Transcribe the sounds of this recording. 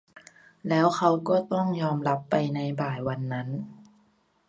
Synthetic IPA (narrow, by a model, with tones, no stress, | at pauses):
lɛː˦˥wxʰa˦˥wkɔː˥˩t̪ɔ˥˩ŋjɔː˧mla˦˥pːa˧jna˧jbaː˨˩jwa˧nːa˦˥n